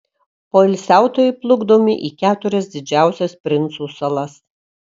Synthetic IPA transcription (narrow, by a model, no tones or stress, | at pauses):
poːɪlʲsʲæˑʊt̪oːjɛɪplˠʊɡd̪oːmʲɪʔiːkʲæːt̪ʊɾʲɛsd̪ʲɪd͡ʒʲæˑʊsʲɛspʲɾʲɪnt̪suːsɐlˠɐs